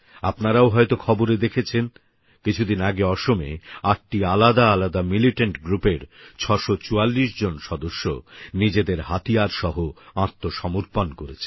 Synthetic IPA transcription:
apnaɾaoɦɔet̪okʰɔboɾed̪ekʰet͡ɕʰen | kit͡ɕʰud̪inaɡeɔʃomḛaʈʈialad̪aalad̪amiliʈeɳʈɡɾupeɾt͡ɕʰɔʃot͡ɕualːiʃd͡ʑonʃɔd̪oʃːo̰nid͡ʑed̪eɾhat̪ijaɾʃɔɦoãɾt̪ʰːoʃɔmuɾpankoɾet͡ɕʰe

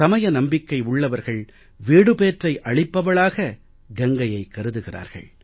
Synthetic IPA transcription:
ɐmɐjɐnɐmbɪkːɐɪʊɭːɐʋɐɾɣɐɭ | ʋiːɽɯpeːʈrɐɪʔɐɭɪpːɐʋɐɭaːɣɐ | ɡɛŋɡɐjɐɪkːɐɾɯðɯɣɪra̰ːɾɣɐ̰ɭ

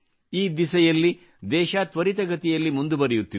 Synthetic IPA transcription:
iːd̪isɐjɐlːi | d̪ɛːʃaːt̪ʋɐɾit̪ɐɡɐt̪ɛjɐlːimund̪ubɐɾɛjut̪ːi

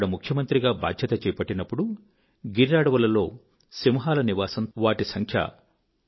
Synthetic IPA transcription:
ɽɐmukʰjɐmɐnt̪ɾiɡaːba̰ːd̪ʱjɐt̪ɐt͡ʃɛːjɐpɐʈːinɐpːuɽu | ɡiɾaːɽɐʋɐlɐlo̞ː | simɐɦaːlɐniʋaːsɐmʋaːʈisɐŋkʰjɐ̰

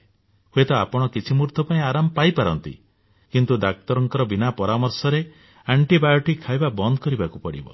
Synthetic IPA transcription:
huet̪ɔapɔɽ̃ɔkit͡ʃʰimuɾt̪ʰɔpaĩaɾamɔpajpaɾɔnt̪ḭ | kint̪ud̪ak̚t̪ɔɾɔŋkɔɾɔbinapɔɾamɔɾsɔɾe | aɳʈibajɔʈikʰːajbabɔnd̪ɔkɔɾibakupɔɽḭbɔ̰

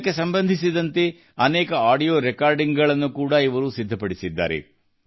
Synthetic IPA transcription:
kːe̞sɐmbɐnd̪ʱisid̪ɐnt̪e̞ | ɐnɛːkɐaːɖijoːɾɛkaːɾɖiŋɡɡɐɭɐnːukuːɽɐiʋɐɾusid̪ʱːɐpɐɽisid̪ːa̰ːɾḛ

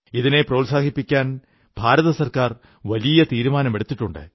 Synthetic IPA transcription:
iðine̞prɐwlsaːkipːikʲːaːn | b̥ʱaːɾɐðɐsɐrkaːr | ʋɐlijɐt̪iːɾumaːnɐme̞ɽut̪ːiʈːuɳɖɨ̰

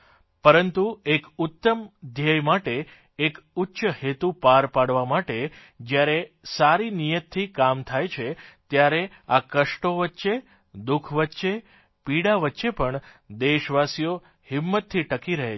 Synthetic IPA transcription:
pəɾənt̪uekʊt̪ːəmd̪ʱjəjmaʈe | ekʊtːʃəhet̪upaɾpaɽʋamaʈe | d͡ʒjaɾesaɾinijət̪ʰːikamt̪ʰajt͡ʃʰet̪jaɾe | akəʃʈoʋətːʃe | d̪ukʰʋətːʃe | piɽaʋətːʃepəɳd̪eʃʋasijo | hɪmːət̪ʰːiʈəkiɾəɦe

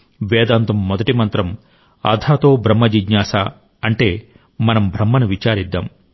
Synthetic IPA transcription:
ʋɛːd̪aːnt̪ɐmːɔd̪ɐʈimɐnt̪ɾɐm | ɐ̰d̪ʱʰaːt̪o̞ːbʱɾɐmːɐd͡ʒiɡɲaːsaː | ɐɳʈe̞ː | mɐnɐmbʱɾɐmːɐnuʋit͡ʃaːɾid̪ːaːm

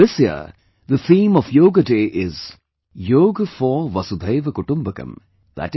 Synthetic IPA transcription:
ðɪsjiə̰ | d̪ət̪ʰĩːmɔfjoːɡəɖeːʔɪz | joːɡfɔʋɐsud̪ʱəɪʋkʊʈʊ̃mbəkɐ̰̃m | d̪æ̰ʈ

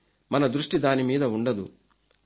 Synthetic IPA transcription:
mɐnɐd̪ɾuʂʈid̪aːnimiːd̪ɐuɳɖɐd̪u

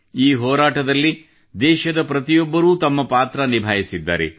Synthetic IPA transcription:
iːɦɔːɾaːʈɐd̪ɐlːi | d̪ɛːʃɐd̪ɐpɾɐt̪ijɔbːɐɾuːt̪ɐmːɐpaːt̪ɾɐnibʱaːjisid̪ːa̰ːɾḛ

